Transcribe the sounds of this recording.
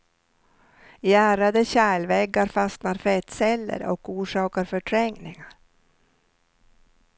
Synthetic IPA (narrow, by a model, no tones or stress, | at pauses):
jæːɾad̪əɕæːɭvɛɡːaɾfasnaɾfɛt̪sɛlːə̰ɾɔ̰kuːʂɑːkaɾfœʈʰɾɛŋnɪŋaɾ